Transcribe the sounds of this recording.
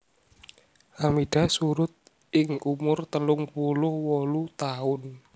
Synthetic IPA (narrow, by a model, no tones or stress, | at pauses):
ʔamiɖ̥a̤suɾʊt̪̚ | ɪŋʔumʊrt̪əlʊŋpulʊhwɔlut̪aʊn